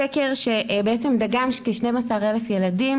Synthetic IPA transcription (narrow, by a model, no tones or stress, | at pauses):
eke̞ʁʃe̞ʔbeet͡se̞mdaɡamkeʃne̞jmasaʁelefje̞ladim